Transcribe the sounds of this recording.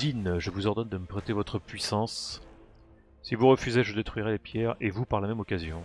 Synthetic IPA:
inʒəvuzɔʁd̪ɔnd̪əməpχɛt̪evɔt̪χəpɥisɑ̃s | sivuʁəfyzeʒəd̪et̪χɥiʁɛlepjɛʁevupaʁlamɛmɔkazjɔ̃

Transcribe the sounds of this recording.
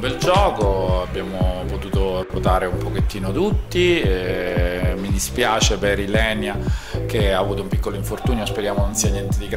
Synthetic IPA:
mbɛld͡ʒɔːkoabːjaːmopot̪uːt̪oot̪aːɾeumpoket̪ːiːnot̪ut̪ːi | mid̪ispjaːt͡ʃepeɾilɛnjak̟eaːvuːt̪oumpikːoloiɱfort̪uːnjospeɾjaːmononsiːanjɛnt̪ed̪iɡ

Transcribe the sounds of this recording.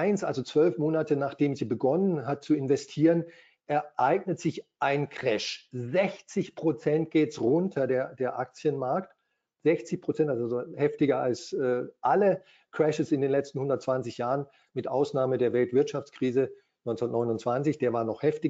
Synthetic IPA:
ʔaɪnsʔa̰lzot͡sv̥œlfmoːnatənaːχd̥eːmziːbəɡɔnənɦat̚t͡suɪnvɛstʰiːʁən | ʔɛɐʔaɪɡ̚nətz̥ɪçʔaɪnkʁ̥ɛʃzɛçt͡sɪçpʁ̥ot͡sɛnt̚ɡ̥eːtsʁʊntʰɐdeːɐd̥eːɐʔak̚t͡sjənmaɐkt | z̥ɛçt͡sɪçpʁ̥ot͡sɛntazzohɛftɪɡɐalsɛːʔalə | kʁ̥ɛʃəsɪndeːnlɛt͡stn̩hʊndɐtt͡sv̥ant͡sɪçjaːʁən | mɪtʔa̰ʊsnaːmədeːɐvɛltv̥ɪɐtʃaft͡skʁ̥iːzə | nɔnt͡sntnɔʏnʊnt͡sv̥ant͡sɪçd̥eːɐvaːɐnɔχhɛftɪ

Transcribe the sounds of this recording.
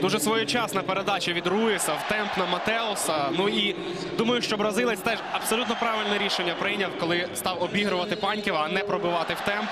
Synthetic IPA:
d̪uʒɛsʋɔjut͡ʃɑsnɐpeɾed̪ɑt͡ʃɐʋʲid̪rujɪsɐwt̪ɛmpnɐmɐt̪ɛɔsɐnui | d̪umɐjʊʃt͡ʃɔbɾɐzɪlˠɐsʲt̪ɛʒɐb̥sɔlʲut̪nɔpɾɑʋɪlʲnɛɾʲiʃenʲːɐpɾɪjnʲɐwkɔlˠɪst̪ɑwɔbʲiɦɾʊʋɐt̪ɪpɑnʲkʲiwɐnɛpɾɔbʊʋɑt̪ɪwt̪ɛmp

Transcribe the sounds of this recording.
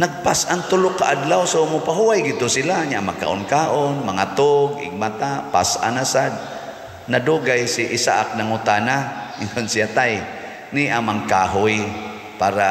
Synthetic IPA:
naɡ̚pasʔant̪ʊlʊkaʔadlawsomʊpaɦuwajɡɪd̪̚t̪ʊsilaɲaʔmaɡ̚ka̰ʔʊnkaːʔonmaŋat̪ʊɡɪ̰ɡ̚mat̪apa̰sʔa̰nasad̪̚ | naduɡajsiʔɪsa̰ʔak̚naŋʊt̪anaɪŋonsiat̪aj | niʔamaŋkaɦʊj | paːɾa

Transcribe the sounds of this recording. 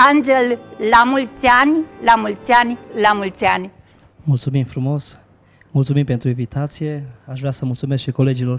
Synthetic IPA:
and͡ʒelːamult͡sianilamult͡sianilamult͡siani | mult̪sumimfɾumo̞s | mult̪sumimpent̪ɾuinvit̪at̪sijeaʃvɾʲasəmult̪sumeskʃikole̞d͡ʒilo̞r

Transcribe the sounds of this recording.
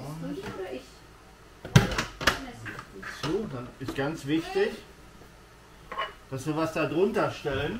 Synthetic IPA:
soːdanɪstɡ̥ant͡sv̥ɪçtɪç | d̥asv̥iːɐvasd̥adʁʊntɐʃtɛlən

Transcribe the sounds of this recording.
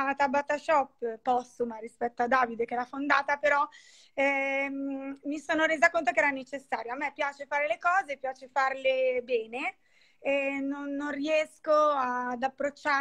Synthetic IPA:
t̪abat̪aʃɔpːpːɔst̪umaɾispɛt̪ːoad̪ːaːvid̪ek̟ɛɾafond̪aːt̪apeɾɔ | ɛ | misoːnoɾeːzakont̪okeɛːɾanet͡ʃesːaːɾjoamːɛpːjaːt͡ʃefaːɾelekɔːzepːjaːt͡ʃefarlebɛːne | enːonːoriɛskoad̪apːɾot͡ʃːa

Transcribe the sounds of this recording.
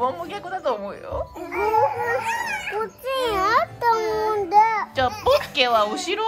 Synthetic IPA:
õmmokʲakːod̪at̪oːmoɯ̰jo̰ | kot͡ɕĩat̪ːamond̪at͡ɕapokːeβaɯɕiɾo

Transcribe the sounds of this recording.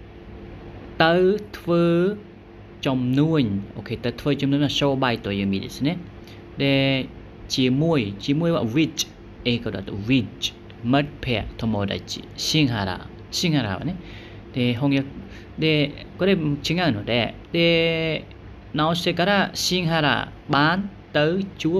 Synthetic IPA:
t̪əwt̪ʰwəː | t͡ɕɔmnuəɲʔokʰet̪ət̪ʰwəːt͡ɕɔmnuəjwasobajt̪ojəmidḭsənɛ | dɛ | t͡ɕiəmuəjt͡ɕiəmuəjwa̰wit͡ʃ | ekɔda̰t̪wit͡ʃ | mət̪̚pʰɛəʔt̪ʰɔmoːɗa̰ḭsiəŋɦaɾa̰ː | siəŋhaɾa̰ːʋa̰nɛ | ɗeɦoŋjə | ɗe | koɗet͡ɕʰiəŋaŋnʊəɗaɗe | nawsekaɾaʔsiəŋɦaɾa̰ːɓaːnt̪ɨwt͡ɕuəp̚

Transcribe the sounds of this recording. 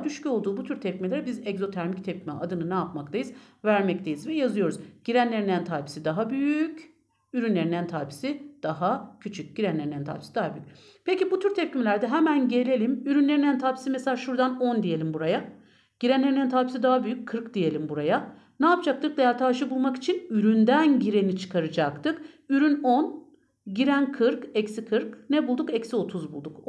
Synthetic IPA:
d̪yʃcʰyolˠd̪uːbut̪ʰyɾt̪ʰɛpcimelʲeɾɛbizɛɡzo̞t̪ʰæɾmict̪ʰɛp̚cʰʲimɛʔad̪ɯnɯnɛapmakt̪ʰajɯz | væɾmɛc̚t̪ʰejizvɛjazɯjo̞ɾuzɟ̥iɾænlʲeɾinænt̪ʰaːpʰi̥sid̪aɦabyjyc | yɾynlʲeinænt̪ʰaːpi̥sid̪̥aɦacʰyt͡ʃʰyc̚ɟ̥iɾænlʲe̞ɾinænt̪ʰa̰ːpʰi̥sid̪aɦaby̰jy̥c̚ | pʰecibut̪ʰyɾt̪ʰɛp̚cʰimelʲæɾd̪ɛɦɛmænɟe̞lʲe̞lʲimyɾynlʲe̞ɾinænt̪ʰaːpʰi̥simɛselʲaːʃuɾd̪ano̞nd̪ije̞lʲimbuɾaja | ɟ̥iɾænʲeɾinænt̪ʰaːpʰisid̪aɦabyjyc̚ʲkʰːɯɾkd̪ije̞lʲimbuɾaja | nɛːpʰɯd͡ʒak̚t̪ʰɯk̚d̪ejælʲt̪ʰaːɾʃɯbulˠmaki̥t͡ʃʰinyɾynd̪ænɟiɾe̞nit͡ʃʰɯ̥kʰaɾɯd͡ʒakt̪ɯkyɾynon | ɟiɾænkʰɯɾkɛcsikʰɯɾknɛbulˠd̪ukɛcsio̞t̪ʰuzbulˠd̪uk

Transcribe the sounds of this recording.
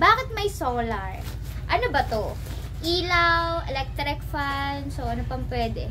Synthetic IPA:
baːkɪt̪̚mɐjsoːlɐɹ | ʔɐnobɐt̪o | ʔiːlɐwʔɛlɛk̚t̪ɾɪk̚fansoʔɐnopɐŋpwɛːd̪ɛ̰

